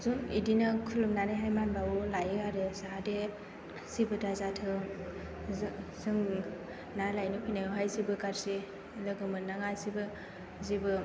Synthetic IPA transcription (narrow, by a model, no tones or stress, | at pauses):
zumidinɯkʰulumnaneɦajmanbaulajɯaɾesaɦade | sibɯdazatʰɯ | zɯŋ | nalajnɯpʰinaɦajzibɯkaɾsi | lɯɡɯmɯnaŋasibɯ | zibɯ